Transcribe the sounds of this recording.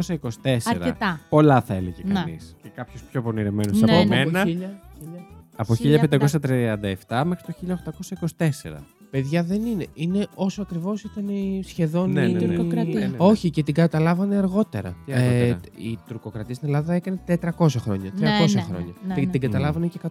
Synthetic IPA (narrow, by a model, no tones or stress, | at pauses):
osɐiko̞si̥t̪eseɾɐt̪ɐpo̞lɐθɐeleʝekɐnḭscekɐpçospço̞poniɾemenosɐpomenɐiʎɐiʎɐɐpoçiʎɐpend̪ɐko̞sɐt̪ɾiɐnd̪ɐeft̪ɐmexɾi̥t̪oçiʎɐoxt̪ɐko̞sɐiko̞si̥t̪e̞se̞̰ɾɐ̰ | pe̞ðʝɐðe̞nine̞ʔine̞ʔo̞soɐkɾivo̞sit̪ɐnisçe̞ðo̞nneɾɐo̞çicet̪iɡɐt̪ɐlɐvɐne̞ɐɾɣo̞t̪e̞̰ɾɐ̰iɣɐḭt̪uɾko̞kɾɐt̪iest̪ine̞lɐðɐekɐnet̪et̪ɾɐko̞sɐxɾoɲɐt̪ɾɐko̞sxɾo̰ɲɐt̪iŋɡɐt̪ɐlɐvɐnecekɐt̪